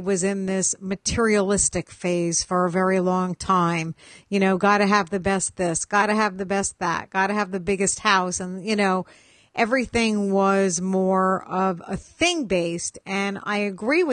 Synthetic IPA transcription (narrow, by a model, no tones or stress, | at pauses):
wʌzɪ̃nðɪsmɨtʰɪɹiəlɪstɨkfeɪz̥fə˞əvɛɹilɔ̃ŋtʰãɪ̃mjɨñoʊɡɑɾɨːvðɨbɛst̪̚ðɪsɡ̥ɑɾɨɨvðɨbɛst̪̚ðæ̰t̚ɡ̥ɑɾɨɨvðɨbɪɡɨst̚haʊsɨ̃njɨnoʊ | ʔɛvɹiθɪ̃ŋwʌzmɔɹʌvə̰θɪ̃ŋbeɪstɨ̃na̰ɪɨɡɹiwɨ